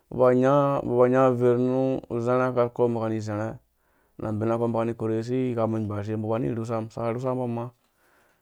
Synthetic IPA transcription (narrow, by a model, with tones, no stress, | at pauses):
ṵ˨ba˨ɲa˦bu˨ba˨ɲa˦ve˨ɾnu˦˨ze˦ɾe˦ka˦ɾko˦mba˨ka˨ni˨ze˨ɾe˦ | nʔa̰˨m˨bi˨na˦ko˦mba˨ka˨ni˦ko˨ɾe˨s̬i˦˨ka˨mi˨ɲ˨ba˨ʃ̬e˦m˦bu˨ba˨˦nḭ˦˨ɾu˦s̬a˦msa̰˨a˨ɾu˦s̬a˦mba˦ma˦